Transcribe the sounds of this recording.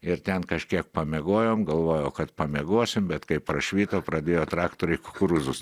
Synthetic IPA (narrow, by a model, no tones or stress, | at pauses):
ɪɾt̪ʲɛnkɐʃʲkʲiɛk̚pɐmʲɛɡoːjoːmɡɐlˠʋoːjoːkɐt̪pɐmʲɛɡoɔsʲɪmbʲɛt̪kɐɪpɾɐʃʲʋʲiːt̪oːpɾɐd̪ʲeːjoːt̪ɾɑːkt̪oːɾʲɛɪkʊkʊɾʊzʊs